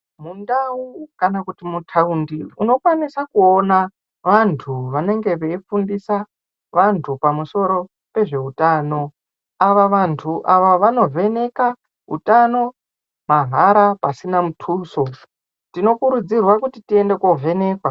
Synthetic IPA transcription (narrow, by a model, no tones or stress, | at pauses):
mundaukanakutimutʰaundiuno̞kwanisakuona | ʋantʰuʋane̞ŋɡe̞ʋeifundisa | ʋantʰupamuso̞ɾo̞ | pe̞ʐe̞utaːno̞ | aʋaʋantʰuʔaʋoʋano̞vʱe̞ne̞ka | ɦṵtano̞ | maɦaɾapasinamutʰuːso̞ | tino̞kuɾud͡zirwakutitie̞nde̞kovʱe̞ne̞ːkwa